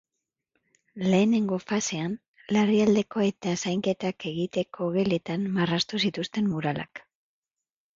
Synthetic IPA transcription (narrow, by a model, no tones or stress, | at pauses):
le̞ːne̞ŋɡo̞fase̞an | leriald̪e̞ko̞e̞t̪asajŋke̞t̪ake̞ɣit̪e̞kʰo̞ɣe̞le̞t̪anmarast̪usit̪ust̪e̞mmuɾalʔa̰k